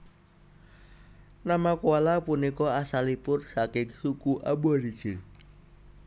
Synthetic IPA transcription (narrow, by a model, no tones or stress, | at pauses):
namakualapunikɔasalipʊrsakɪŋsukuʔa̰buaɾid̥d͡ʒ̥ɪl